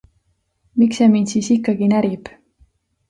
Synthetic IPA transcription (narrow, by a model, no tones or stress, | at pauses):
miksemint̪siːsikːɑɡinæɾib̥